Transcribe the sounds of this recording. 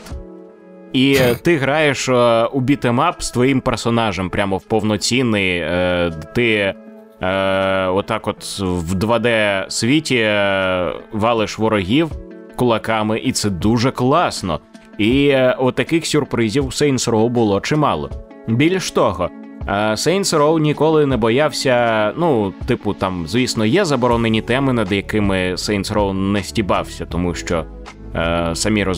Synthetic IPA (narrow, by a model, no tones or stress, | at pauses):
it̪ɪɦɾɑjeʃubʲit̪emɑpst̪ʋɔjimpersɔnɑʒɛmpɾʲamɔwpɔwnɔt͡sʲinːɪj | t̪ɪ | ɔt̪ːɑkɔt̪wd̪ʋɐd̪ɛsʋʲitʲi | ʋɑlˠɪʃʋɔɾɔɦʲiwkʊlˠɐkɑmɪʔit̪sɛd̪uʒɛklˠɑsnɔ̰ | iʊt̪ːɐkɪxsʲʊrpɾɪzʲiwsɛjnsɾɔwbʊlˠɔt͡ʃɪmɑlˠɔ̰ | bʲilʲʃt̪ɔɦɔ | sɛjnsɾɔwnʲikɔlˠɪnɛbɔjɑwsʲɐnut̪ɪpʊt̪ɑmzʲʋʲisnɔjɛzɐbɔɾɔnenʲit̪ɛmɪnɐd̪jɐkɪmɪsɛjnsɾɔwnɛsʲtʲibɑwsʲɐt̪ɔmuʃt͡ʃɔ | sɐmʲiɾɔ